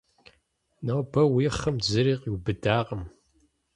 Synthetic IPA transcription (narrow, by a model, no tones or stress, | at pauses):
nɐwbɐwiːχəmzɨɾiːqiwbɨdaːʁəm